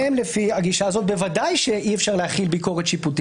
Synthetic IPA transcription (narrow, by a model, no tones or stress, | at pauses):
emlefiaɡiʃaːzo̞t̪̚be̞vadajʃe̞ʔiefʃaʁlehaχilbiko̞ʁet̪ʃiputi